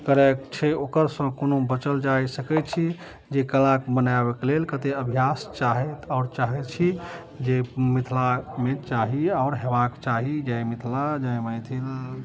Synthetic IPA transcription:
kəɾɛkt͡ʃʰɛokəɾsə̃konobət͡ʃəld͡ʒajsəkɛt͡ʃʰi | d͡ʒekəlakbənabeklelkət̪eəbʱijast͡ʃaɦɛt̪aʊɾt͡ʃaɦɛt͡ʃʰi | d͡ʒemit̪ʰlamet͡ʃaɦiaʊɾɦebakt͡ʃaɦid͡ʒajmit̪ʰlad͡ʒajməjt̪ʰil

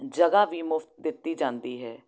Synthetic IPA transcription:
d͡ʒəɡaːʋiːmʊft̪̚d̪ɪt̪ːiːd͡ʒãːnd̪iːɦɛː

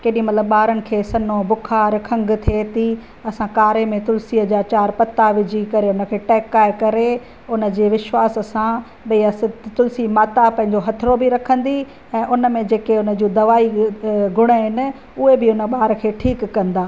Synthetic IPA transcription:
keːɗĩmɐt̪ləbɓaːɾənɪ̆kʰeːsɐnobʊkʰaːɾkʰɐ̃ŋɡt̪ʰeːt̪i | ɐsãkaːɾemẽt̪ʊlsiəd͡ʑaːt͡ɕaːɾpɐt̪aʋɪd͡ʑʱikɐɾeʊnəkʰeːʈɛːkaːekɐɾe | ʊnə̆d͡ʑeːʋɪʃwaːssã | ɓɐiɐst̪ʊlsimaːt̪apɐ̃ɦɪ̃ɲd͡ʑoɦɐt̪ʰɾobɪɾɐkʰə̃nd̪i | ɛ̃ːʔʊnəmẽd͡ʑeːkeʊnə̆d͡ʑuːd̪ɐʋaːiɡʱʊɽ̃əɦɪnɪ̆ | ʊɦebɪʊnə̆ɓaːɾəkʰeːʈʰiːkːɐ̃nd̪aː

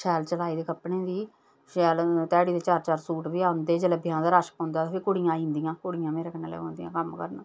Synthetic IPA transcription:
ʃɛːlt͡ʃəlaːiːd̪eːkəpnẽːd̪iː | ʃɛːlt̪ɛːɽiːd̪eːt͡ʃaːɾt͡ʃaːɾsuːʈʋiːaːʊnd̪eːd͡ʒəleːbʱjãːd̪aːɾaːʃə̥kõnd̪aːt̪ːpʰeːkʊɽijãːĩnd̪ijãːkʊɽɪjãːmeːɾeːkəneːlɛ̰ːɦõːnd̪ijãːkəmkəɾnaː

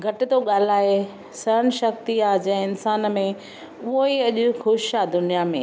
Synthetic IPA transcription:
ɡʱɐʈɪ̆t̪oɠaːl̤aːɦe | sɐɾəɽ̃ɪ̆ʃɐk̚t̪iaːd͡ʑɛ̃ɪnsaːn̆mẽ | ʊɦoiɐʄʊ̆xʊʃad̪ʊnijamḛ̃

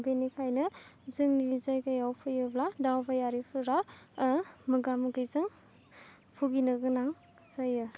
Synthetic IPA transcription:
benikʰajnɯzɯŋniizajkajawpʰɯjɯbladawbajaɾipʰɯɾa | mɯɡamɯɡɯjzɯŋ | pʰuɡinɯɡɯnaŋ | zajɯ

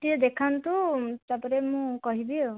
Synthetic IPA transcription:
tiɔd̪ekʰant̪ut̪apɔɾemũkɔɦibio

